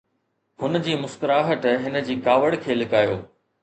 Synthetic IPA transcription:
ɦʊn̆d͡ʑiːmʊst̪əɾaːɦət̪ɦɪnə̆d͡ʑiːkaːʋəɽkʰeːlɪkaːjoː

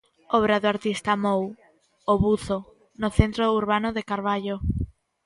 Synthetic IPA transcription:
ɔβ̞ɾaðoaɾt̪ist̪amow | oβuθo | nʊθent̪ɾouɾβanʊðekaɾβaʎo

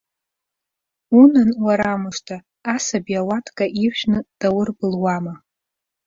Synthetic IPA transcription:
unɨnwaɾamɨʂtʰaː | sabiawatʰʼkʼaʔirʃᶣnɨd̥awʊrbɨlwama

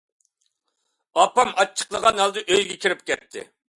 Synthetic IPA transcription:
ɑpɑmɑt͡ʃʰːə̥qlˠəʁɑnɦɛlˠd̪ɨʔøjɡʲɛkʲʰiɾɪp̚kʲʰɛt̪ʰːɪ̰

